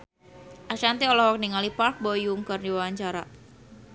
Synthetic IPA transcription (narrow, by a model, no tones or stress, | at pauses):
ʔaʃant̪iɔlɔhwɔk̚niŋalipark̚bɔjuŋkɨrdiwawaɲt͡ʃaɾa̰